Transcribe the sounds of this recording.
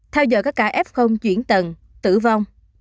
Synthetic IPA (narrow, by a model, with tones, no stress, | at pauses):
t̪ʰɛ˧wzɔ̰˧˨jkaː˦˥kːaː˧˩ʔɛ˦˥p̚xə˧wŋ͡mt͡ɕwḭ˧˩ənt̪ə˨˩n | t̪ɨ̰˧˩˨va˧wŋ͡m